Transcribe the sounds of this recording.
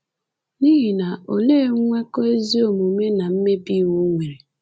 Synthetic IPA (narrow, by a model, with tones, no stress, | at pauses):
ni˦ɦi˨na˨o˨le˦ŋʷe˦kɔ˦e˦zi˦o˨mu˨me˦na˨m̩˦me˦bi˦wu˦ŋʷe˨ɾe˨